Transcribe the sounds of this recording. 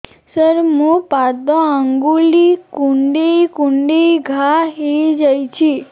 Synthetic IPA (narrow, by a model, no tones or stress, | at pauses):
səɾmũpad̪ɔəŋɡulikuɳɖikuɳɖiɡʱaɦid͡ʒəjt͡ʃʰi